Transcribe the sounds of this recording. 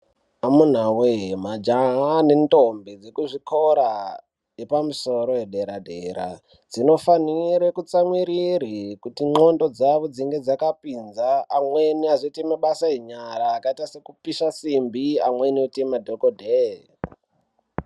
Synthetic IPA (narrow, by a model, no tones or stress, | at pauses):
amun̤awemad͡ʒaɦane̞nto̞mbed͡zekuʐikʰo̞ɾa | jepamuso̞ɾo̞jeɗe̞ɾadʱe̞̰ɾa̰ | d͡zino̞faniɾekut͡samwiɾiɾikutiŋ͡ǃo̞ndo̞d͡zaʋo̞d͡ziŋɡe̞d͡zakapinzaːmwe̞niazoitemaɓasajeɲaɾaːkaitase̞kupiʃasimbiamwe̞niotemadʱokodʱe